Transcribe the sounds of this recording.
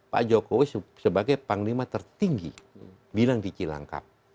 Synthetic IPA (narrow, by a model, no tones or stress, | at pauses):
pa̰d͡ʒokowissəbaɡajpaŋlimat̪ərt̪iŋɡḭ | bilaŋtit͡ʃila̰ŋka̰p̚